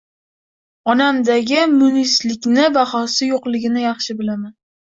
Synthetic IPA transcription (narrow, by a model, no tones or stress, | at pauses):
ɒnamd̪aɡʲɪmʊnislɪkʲnɪbaχɒsɪjoqlˠɪɡʲɪnɪjɑχʃɪbɪlaman